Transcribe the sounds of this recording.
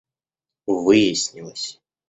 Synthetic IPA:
vɨjɪsʲnʲilˠəsʲ

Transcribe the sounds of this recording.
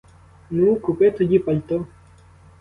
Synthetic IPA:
nũːkupet̪ʰud͡ʒipɐʎt̪o

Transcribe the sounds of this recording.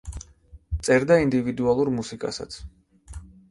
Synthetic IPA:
t̪sʼɛɾd̪aind̪ivid̪ualˠuɾmusikʼa̰sa̰t̪sʰ

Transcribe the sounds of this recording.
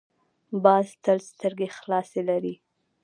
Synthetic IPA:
bɑzt̪əlst̪əɾɡexlɑselaɾi

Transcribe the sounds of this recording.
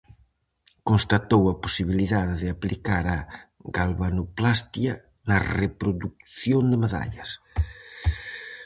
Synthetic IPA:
konst̪at̪owɐposiβ̞iliðaðeðɪaplikaɾɐɣalβanuplast̪jɐ | nɐrepɾoðuk̚θjond̪emaða̰ʎɐs

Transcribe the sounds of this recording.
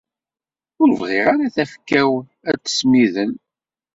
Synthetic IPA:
ʊɾvʁɪʁaɾaθæfkːæw | æt͡sːə̥smiðən

